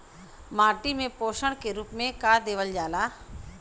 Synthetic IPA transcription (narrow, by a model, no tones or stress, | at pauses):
maːʈimẽpoːʃəɽ̃keɾuːpmẽkaːd̪eːʋəld͡ʒaːlaː